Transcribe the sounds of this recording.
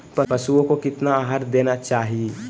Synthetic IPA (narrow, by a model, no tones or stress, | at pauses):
pɐpɐsuõkokɪt̪naaːɦaɾd̪eːnat͡ʃaːɦie